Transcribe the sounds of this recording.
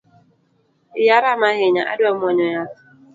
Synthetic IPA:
ɪjaɾamaɦɪɲaʔa̰dʊam̩ɔɲɔja

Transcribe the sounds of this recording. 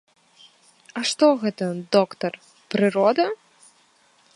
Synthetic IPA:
ɐʂt̪ɔɣɛt̪ɐd̪ɔkt̪ɐr | pɾɨɾɔd̪ɐ

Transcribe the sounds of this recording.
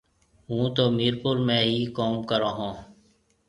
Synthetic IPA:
ɦũːt̪oːmiːɾpʊɾmɛ̃ːɦiːkoːmkəɾãːɦõː

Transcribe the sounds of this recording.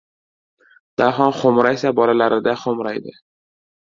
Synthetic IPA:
d̪̥aɦɒnχomɾajsabɒlalaɾɪd̪aχomɾajd̪ɪ

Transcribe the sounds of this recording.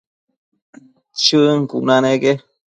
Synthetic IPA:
t͡ʃɨŋkuʔnaneɡe

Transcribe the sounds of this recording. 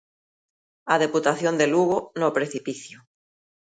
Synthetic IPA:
aðeput̪aθjond̪eluɣonopɾeθipiθjo

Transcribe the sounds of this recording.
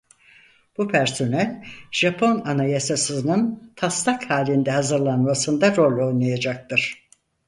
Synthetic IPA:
b̥upʰæɾso̞nælʲʒ̥apʰo̞nanajasasɯnɯnt̪ʰast̪akhaːlʲind̪ɛhazɯɾlˠanmasɯnd̪aɾo̞lʲo̞jnˠajad͡ʒak̚t̪ɯɾ̥

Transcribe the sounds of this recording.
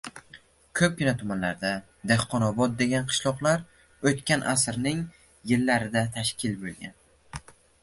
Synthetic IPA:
kʰɵp̚ɡʲɪnat̪ʰʊmanlaɾd̪a | d̪ehqɒnɒbɒd̪̚d̪e̞ɡʲanqʰɨ̥ʃlˠɒqlˠaɾ | ɵt̪kʲanʔasɾnɪŋ | jɪlːaɾɪd̪at̪ʰaʃkʲɪlbolˠɡʲa̰n

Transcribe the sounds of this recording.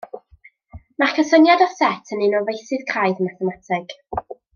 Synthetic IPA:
markʰəsənjadɔsɛtʰənɨnɔvejsɨðkʰraɨðəmaθɛmatʰɪɡ̥

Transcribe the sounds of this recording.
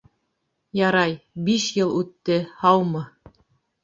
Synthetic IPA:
jɑɾɑjbiʃjɤlˠʉt̪ːɘhɑwmɤ

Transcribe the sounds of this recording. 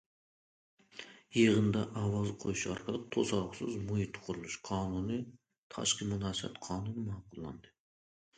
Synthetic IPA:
jeʁənd̪ɑʔɑwɑzqʰojuʃɑɾqʰəlˠəq̚t̪ʰosɑlˠqsɨzmujit̪ʰːqʰʊɾulˠuʃqʰɑːnuni | t̪ʰɑ̰ʃqimʊnɑsɑ̰t̪qʰɑːnunmɑqʊlˠːɑ̰nd̪ɨ

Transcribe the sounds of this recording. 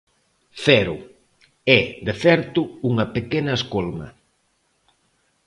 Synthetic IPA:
θɛɾʊ | ɛd̪eθɛɾt̪ʊuŋɐpekenɐeskolmɐ̰

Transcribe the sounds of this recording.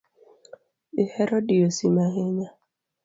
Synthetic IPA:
ɪheɾɔdiosimaɦeɲa

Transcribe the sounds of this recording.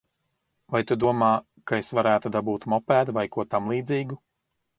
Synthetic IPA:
vajt̪ud̪uɔmaː | kaesvaɾæːt̪ud̪abuːt̪mɔpæːd̪vajkuɔt̪amlˠiːd̪ziːɡu

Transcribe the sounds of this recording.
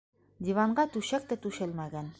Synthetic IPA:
d̪ʲivɑɴɢɑt̪ʉɕæk̚t̪æt̪ʉʃɘlmæɡæn

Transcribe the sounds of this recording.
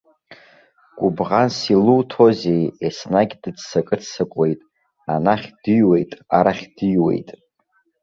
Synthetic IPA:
ɡʷʼubʁansiluwtʰo̞zejesnaɡʲdɨdsakʼɨt͡ssakʷʼe̞jtʼ | anaχʲd̥ɨjwe̞jtʼa̰ɾaχʲd̥ɨjwe̞̰jtʼ

